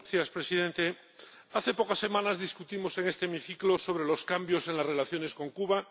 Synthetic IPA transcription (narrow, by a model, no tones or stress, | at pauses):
θjaspɾe̞siðẽnt̪e̞ | aθe̞pokasːe̞mãnazðiskut̪imo̞se̞ŋe̞st̪eːmiθikloso̞βɾe̞lo̞skambjo̞se̞nlaszre̞laθjo̞ne̞sko̞ŋkuβa